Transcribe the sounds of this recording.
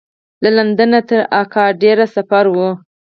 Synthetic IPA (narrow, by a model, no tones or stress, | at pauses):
laland̪ənat̪əɾɑkɑɖeɾasafaɾwu